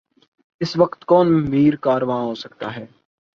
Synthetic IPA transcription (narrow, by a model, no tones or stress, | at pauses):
ɪsʋəkt̪kɔːnmiːɾkaːɾʋaːɦoːsəkt̪aːɦɛː